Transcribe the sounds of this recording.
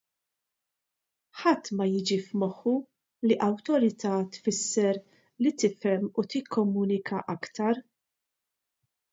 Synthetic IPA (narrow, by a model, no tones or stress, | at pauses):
ħɐt̪ːmɐjɪːd͡ʒifmɔħːu | liʔɐwt̪ɔɾɪt̪ɐːt̪fɪsːɛɾ | lit̪ɪfɛmːut̪ɪkʰːɔmuːnɪkɐʔɐkt̪ɐɾ